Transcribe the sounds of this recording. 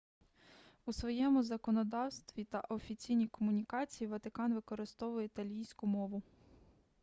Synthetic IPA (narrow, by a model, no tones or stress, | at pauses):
usʋɔjɛmʊzɐkɔnɔd̪ɑwst̪ʋʲit̪ɐʔɔfʲit͡sʲijnʲijkɔmʊnʲikɑt͡sʲijiʋɐt̪ɪkɑnʋɪkɔɾɪst̪ɔʋʊjɛit̪ɐlʲijsʲkʊmɔʋʊ